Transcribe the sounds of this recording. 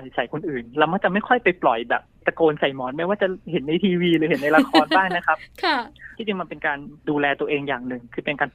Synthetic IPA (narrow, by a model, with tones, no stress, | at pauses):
sa˨˩˦jkʰo˧nʔɯː˨˩nla˧wmaː˥˩t͡ɕa˨˩ma˥˩jkʰɔ˥˩jpa˧jplɔ˨˩jbɛ̰ː˨˩p̚ta˧koː˧nsa˨˩jmɔː˨˦t̪̚ma˧˥˩waː˥˩t͡ɕa˨˩he˩˦nːa˧jt̪ʰiː˧wiː˧lɯː˨˦he˩˦nːa˧jla˧xʰɔː˧nbaː˥˩ŋna˦˥kʰa˦˥p̚kʰt̪ʰiː˥˩t͡ɕi˧ŋma˧npe˧nkaː˧nduː˧lɛː˧t̪u˧ɐʔeː˧ŋjaː˨˩ŋnɯ˨˩ŋkʰɯː˧pe˧nkaː˧n